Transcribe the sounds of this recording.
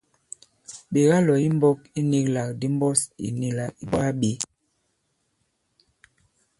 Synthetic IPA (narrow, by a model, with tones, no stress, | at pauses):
ɓe˨ɣa˦lɔ˨i˦m˦bɔ˦ki˦ni˦kla˨k̚di˦m˦bɔ˦sḭ˨ni˦la˨i˦ba˦ɓe˨˦